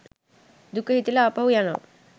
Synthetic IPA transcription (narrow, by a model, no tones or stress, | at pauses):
d̪ukəɦit̪ilaapaɦujana̰